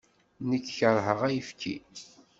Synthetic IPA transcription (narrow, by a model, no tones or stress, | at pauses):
nəkːçəɾˤɦəʁæjəfkʰḭ